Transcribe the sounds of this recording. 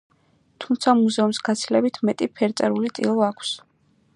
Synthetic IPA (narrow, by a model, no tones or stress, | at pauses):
t̪ʰumt̪sʰamuzɛumsɡat̪sʰilɛbit̪ʰmɛt̪ʼipʰɛɾt̪sʼɛɾulit̪sʼḭlˠɔakʷʰs